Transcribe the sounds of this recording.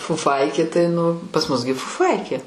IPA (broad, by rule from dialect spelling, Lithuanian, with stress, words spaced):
fʊˈfɐɪkʲeː tɐɪ nʊ pɐs mʊs ɡʲɪ fʊˈfɐɪkʲeː